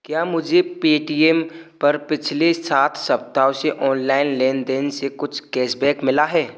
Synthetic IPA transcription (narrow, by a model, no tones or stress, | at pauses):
kjaːmʊd͡ʒʱepeːʈiɛmpɐɾpɪt͡ʃʰlesaːt̪ʰsɐp̚t̪aːʊseʔɔːnlaːɪnleːnd̪ɪnsekʊt͡ʃʰkɛːsbɛːkmɪlaɦɛː